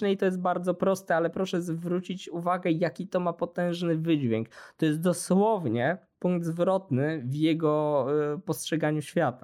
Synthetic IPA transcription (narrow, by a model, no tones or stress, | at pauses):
nɛit̪ɔjɛst̪̚baɾd̪zɔpɾɔst̪ɛalɛpɾɔʂɛzvɾut͡ɕit͡ɕuvaɡɛjakʲit̪ɔmapɔt̪ɛ̃w̃ʐnɘvɘd͡ʑvʲjɛŋkt̪ɔjɛst̪̚d̪ɔswɔvɲɛ | puŋɡ̚d̪zvɾɔt̪nɘvjɛɡɔpɔstʂɛɡaɲuɕfʲjat̪a